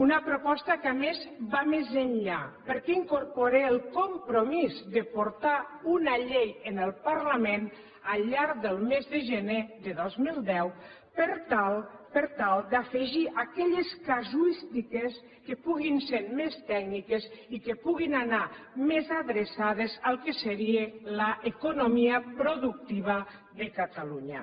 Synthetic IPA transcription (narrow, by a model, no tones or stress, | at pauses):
unəpɾopɔst̪əkamezβamezənʎapəɾkɛiŋkoɾpoɾeəlˠkompɾomizd̪əpoɾt̪aunaʎejənəlˠpaɾləmen | əlʎːaɾðəlˠmezðəʒəneðəðɔzmilˠd̪ɛw | pəɾt̪alˠpəɾt̪alˠd̪afəʒiʔakɛʎeskazuist̪ikes | kepuɣinseɾmest̪ɛɡnikezikepuɣinanamezaðɾesað̞ezalˠkeseɾielaʔekonomiəpɾoðuk̚t̪iβ̞a | ðəkat̪aluɲa̰